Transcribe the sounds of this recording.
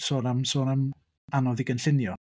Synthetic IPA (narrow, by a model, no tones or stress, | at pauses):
soːnamsoːnam | anɔðɪɡənɬɪnjɔ